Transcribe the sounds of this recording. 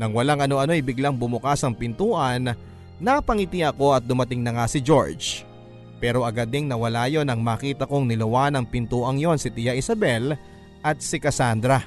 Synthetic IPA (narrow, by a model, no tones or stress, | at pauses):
nɐŋwɐlaŋɐno̞ʔɐno̞jbɪɡlaŋbʊmʊkasɐŋpɪnt̪uːʔɐnː | ɐpɐŋɪt̪iɐko̞ɐt̪̚d̪ʊmɐt̪ɪŋnɐŋasɪd͡ʒo̞̰ɹd͡ʒ | pɛːɾo̞ʔɐɡad̪ɪŋnɐwɐlaːjo̞nɐŋmaːkiːt̪ɐkoŋnɪlɐwanɐŋpɪnt̪uːʔɐŋjo̞nsɪt̪ɪjaʔɪsɐbɛl | ʔɐt̪̚sɪkɐsand̪ɾɐ